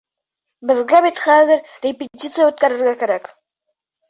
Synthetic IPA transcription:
bɘ̆ðɡæbit̪χæðɘɾ | rʲepʲet̪ʲit̪sɨjaʉt̪̚kæɾɘ̆ɾɡækæɾæk

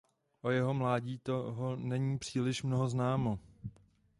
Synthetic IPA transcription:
ʔo̞jɛɦo̞mlaːɟiːt̪o̞ɦonɛɲiːpr̝̥iːlɪʃmnoɦoznaːmo̞

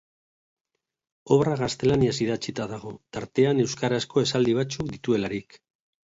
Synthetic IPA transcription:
o̞βraɣast̪e̞laniasiðat͡sit̪aðaɣ̞o̞t̪aɾt̪e̞ane̞wskaɾasko̞e̞sald̪iβ̞at͡sukd̪it̪ue̞laɾik

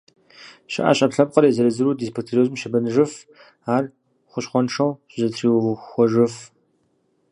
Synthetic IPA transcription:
ɕɪ̰ʔa̰ɕʼɐpɬɐp̚qɐɾeːzɐɾɐzɨɾuːdispʰotʰeɾoːzmʃɐbɐnɨʒɨf | aːr | χʷʊɕχʷɔnʂɐwɕzɐtʰriːwxʷɔʒɨf

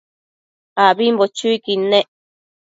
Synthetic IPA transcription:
aβimbot͡ʃuikine

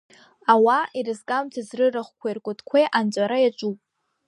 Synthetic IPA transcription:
awaʔiɾɨzkʼamtʰazrɨraχʷkʷʰajrkʷʼʊtʰkʷʰejʔant͡ʃʷʼaɾajat͡ʃʷʼupʼ

